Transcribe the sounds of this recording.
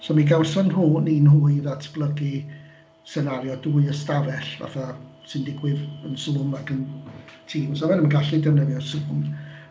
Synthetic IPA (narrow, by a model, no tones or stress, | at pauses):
sɔmiɡawsɔnruːniːnhuːɨðatʰb̥lˠəɡi | sɛnaɾjɔduːɨəstavɛɬva̰θa | sɪndɪɡwɪðənsuːmakʰəntʰiːmsɔvɛnəɡaɬidɛvnəðjɔsuːm